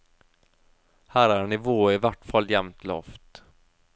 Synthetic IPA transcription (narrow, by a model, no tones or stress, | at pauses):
hæɾaɳɪvoːɪvæʈfald̪jɛmt̪lɔ̰ft̪